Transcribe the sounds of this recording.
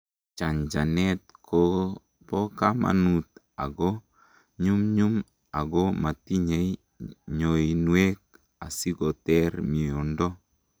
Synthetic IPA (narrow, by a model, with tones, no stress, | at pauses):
t͡ʃa˨ɲd͡ʒa˨nɛt̚kʰo | pɔ˦kama̰˨nut | a̰˨ɡɔ˦ | ɲu˦mɲu˦m | a˨ɡɔ˦ma˨ti˦ɲe˨i | ɲo˨i˨nwe˦k̚ | a̰˨si˦ɡɔ˨tɛɾmi˨ɔ˨ndɔ˦